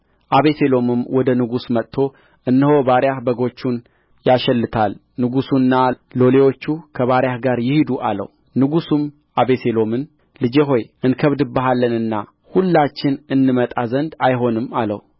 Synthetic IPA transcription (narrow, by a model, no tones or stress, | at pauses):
ʔaβe̞se̞lo̞mɨmwɔd̪ənɨɡusmət̪t̪ʰːo̞ | ʔɨnːɨho̞baɾjahbəɡo̞t͡ʃːun | jaʃɛlːɨt̪ʰal | nɨɡusunːa | lo̞lewo̞t͡ʃːukʰəβaɾjahɡaɾjɪhid̪uʔa̰lə̰w | nɨɡusum | aβe̞se̞lo̞mɨn | lɨd͡ʒeɦo̞jɨnkʰəβd̪ɨbːəɦalːənɨnːa | hulːat͡ʃːɪnɨnːɨmət̪ʼazənd̪ajɦo̞nɨmalə̰hu